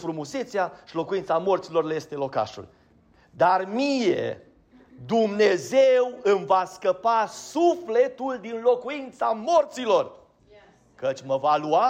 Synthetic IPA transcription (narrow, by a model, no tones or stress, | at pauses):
fɾumuse̞t̪seaʃilo̞kujint̪samo̞rt̪silo̞rleje̞st̪e̞lo̞ka̰ʃṵl | d̪armije̞̰ | d̪umne̞zewɨmvaskəpasufle̞t̪uld̪inlo̞kuint̪samo̞rt̪silo̞r | kət͡ʃʲməvalua